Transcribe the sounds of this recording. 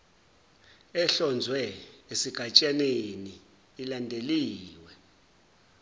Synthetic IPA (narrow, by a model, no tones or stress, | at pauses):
ɛɬɔnd͡zʱwɛesiɡ̥ʱat͡ʃʼaneniː | landʱeliːwɛ